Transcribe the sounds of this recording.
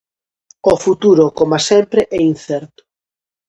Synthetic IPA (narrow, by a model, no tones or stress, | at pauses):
ofut̪uɾʊkomasɛmpɾeʔɛinθɛɾt̪ʊ̥